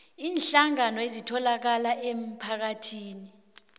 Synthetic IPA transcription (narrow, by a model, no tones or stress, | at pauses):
iːnɬaŋanɔezitʰɔlak̬alaʔem̩pʰak̬atʰiːni